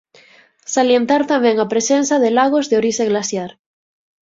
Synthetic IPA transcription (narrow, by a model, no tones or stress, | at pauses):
salje̞nt̪aɾt̪amjẽŋapɾesẽnsaðelaɣ̞ozðeoɾiseɣlasjaɾ